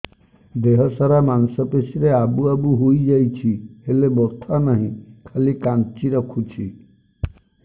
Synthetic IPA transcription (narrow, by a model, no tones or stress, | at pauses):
d̪eɦɔsɔɾamansɔpesiɾeabuabuɦojd͡ʒajt͡ʃʰiɦelebɔt̪ʰanaɦĩkʰalikant͡ʃiɾɔkʰut͡ʃʰi